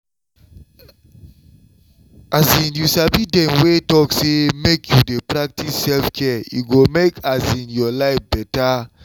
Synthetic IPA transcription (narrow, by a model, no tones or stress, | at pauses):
azĩnjusabidɛ̃nwetɔksemekʰjudepɾak̚tisːɛlfkʰɛṵɡomekʰazĩnjɔlaɪfbɛta